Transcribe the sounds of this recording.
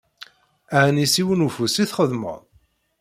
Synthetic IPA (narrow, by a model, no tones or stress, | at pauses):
aʕnisiwənufusiθχəðmə̰ðˤ